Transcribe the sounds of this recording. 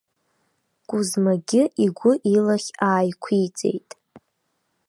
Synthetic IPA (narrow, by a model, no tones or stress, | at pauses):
ɡ̥ʷʼʊzmaɡʲɪʔiɡʷʊʔilaχʲaːjkʷʰit͡sʼe̞̰jtʼ